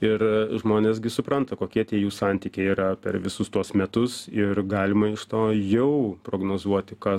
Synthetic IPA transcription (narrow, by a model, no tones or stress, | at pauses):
ɪɾʒmoːnʲeːsɡʲɪsʊpɾɐnt̪ɐkoːkʲiɛt̪ʲiɛjuːsɑnʲt̪ʲiːkʲɛɪiːɾɐpʲɛ̰ɾʋʲɪsʊst̪uɔsmʲɛt̪ʊsɪɾɡɑːlʲɪmɐɪʃt̪oːjɛʊpɾoːɡnoːzuɔt̪ʲɪkɐ